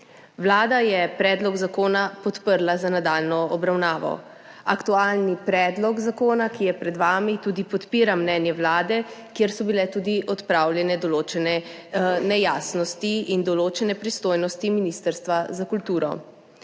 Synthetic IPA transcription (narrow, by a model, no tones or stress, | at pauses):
wlaːd̪ajɛpɾɛːd̪lɔɡzakoːnapɔt̪pəɾlazanad̪aːlnɔɔbɾawnaːʋɔ̰ | akt̪ualnipɾɛːd̪lɔɡzakoːnakijɛpɾɛd̪ʋaːmit̪uːd̪ipɔt̪piːɾamnɛːnjɛwlaːd̪ɛkjeɾsɔbilɛt̪uːd̪iʔɔt̪pɾaːwljɛnɛd̪ɔloːt͡ʃɛnɛnɛjaːsnɔst̪iind̪ɔloːt͡ʃɛnɛpɾist̪oːjnɔst̪iminist̪əɾst̪ʋazakult̪uːɾɔ̰